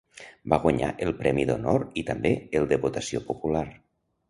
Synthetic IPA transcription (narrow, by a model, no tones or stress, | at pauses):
baɣwaɲa̰ʔəlˠpɾɛmiðonoɾit̪əmbeəlˠd̪əβot̪əsiopopulaɾ